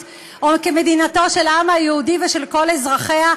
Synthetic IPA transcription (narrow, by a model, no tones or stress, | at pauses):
ʔokeme̞d̪inato̞ʃelamhajeudiveʃe̞lko̞lezʁaχea